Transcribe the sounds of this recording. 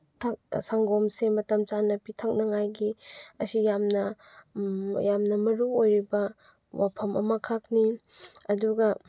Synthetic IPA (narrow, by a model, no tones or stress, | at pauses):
tʰak̚saŋɡomsemɐtɐmt͡ʃanɐpitʰɐk̚nɐŋajɡiɐsijamnɐ | jamnɐmɐɾuojɾibɐ | wapʰɐmɐ̰mɐkʰak̚niɐduɡɐ